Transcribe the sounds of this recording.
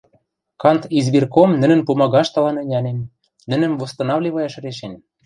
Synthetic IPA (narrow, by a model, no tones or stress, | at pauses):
kɑnt̪izbirkomnɘ̆nɘ̆npumɑɣɑʃt̪ɑlɑnɤ̆nʲɑnem | nɘ̆nɘ̆mvost̪ɤ̆nɑvlʲiβɤjɑʃ̆ɾeʃenʲ